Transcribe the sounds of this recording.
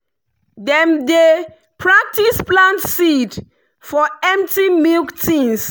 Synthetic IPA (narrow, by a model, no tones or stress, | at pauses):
dɛ̃mde | pʰɹak̚tisplãntsid | fɔɛ̃mp̚timilktʰĩns